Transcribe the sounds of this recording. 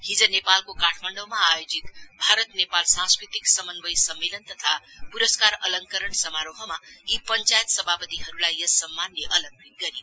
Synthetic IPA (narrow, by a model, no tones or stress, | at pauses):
hid͡zʌnepalkokaʈʰmaɳɖʌwmaːjod͡zit̪bʱaɾʌt̪nepalsãŋskɾit̪iksʌmʌnbʌjsʌmːelʌnt̪ʌt̪ʰapuɾʌskaɾʌlʌŋkʌɾəɳsʌmaɾoɦʌmaipʌnt͡sajt̪sʌbʱapʌt̪iɦʌɾulajʌsʌmːanleʔʌlʌɡit̪ɡʌɾi